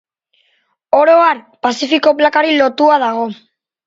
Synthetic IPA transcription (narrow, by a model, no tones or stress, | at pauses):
oɾoaɾ | pasifiko̞plakaɾilo̞t̪uað̞aɣ̞o̞